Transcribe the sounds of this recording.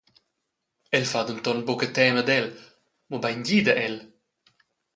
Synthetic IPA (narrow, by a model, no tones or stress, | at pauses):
ɛlfad̪unt̪ɔnbɔkət̪ɛməd̪ɛl | mɔbɛjnɟiːd̪əʔɛl